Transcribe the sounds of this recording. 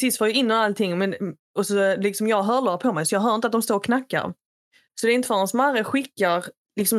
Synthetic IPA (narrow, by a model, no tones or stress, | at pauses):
sɪst̪foːjaɪnːɔnalt̪ʰɪŋːmɛn | ɔsɔlɪksɔmjɑːɡɦœːɭoːpʰɔmɛjsɔjɑːɡɦœːɾɪnt̪əat̪d̪ɔmst̪oːɾɔkʰnakːa̰ɾ | sɔd̪ɛɪnt̪əfaɔnsɔmaɾəɧɪkːaɾ | lɪksɔm